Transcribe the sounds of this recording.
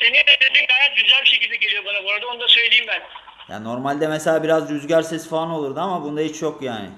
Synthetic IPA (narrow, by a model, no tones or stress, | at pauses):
senind̪ɛd̪ed̪iːmɡajat̪̚ɟyzælʲbiʃejɟilʲbiɟeɾijobanaboɾad̪aonud̪asø̞jlʲeimbæn | ja̰ːnno̞ɾmalʲd̪ɛmeselʲaːbiɾazd͡ʒyzɟæɾsɛsfaano̞lˠuɾd̪ɯamabund̪aɦit͡ʃjo̞kja̰ːnɪ̰